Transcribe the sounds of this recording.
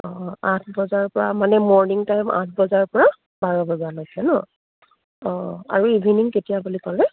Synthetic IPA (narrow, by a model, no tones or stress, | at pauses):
ɔ̃ãtʰbɔzaɹpɔɹamanɛmɔɹniŋtajmã̰t̚ʰbɔzaɹpɔɹa | baɹɔbɔzanɔjsɛnɔ | ɔ̃a̰ɹuibʱiniŋketijabulikɔlɛ